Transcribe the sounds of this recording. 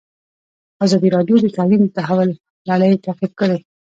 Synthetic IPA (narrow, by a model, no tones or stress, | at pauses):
azɑd̪iɾɑɖjod̪ət̪alint̪aɦawal | laɽəjt̪aqib̚kəɽe